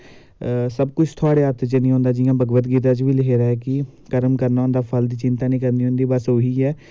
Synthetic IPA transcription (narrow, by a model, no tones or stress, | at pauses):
səb̚kʊt͡ʃʰt̪ʰoaːɽeːəɾt̪ʰt͡ʃənĩɦõːnd̪aːd͡ʒɪjãːbəɡbət̪ɡiːt̪̬ãːt͡ʃʋiːlɪkʰeːɾaːɛːkɪkəɾəmkəɾnaːʊ̃nd̪aːpʰəld̪iːt͡ʃɪnt̪aːnĩːkəɾndiːɦõːnd̪iːbəsɦoːiːɛː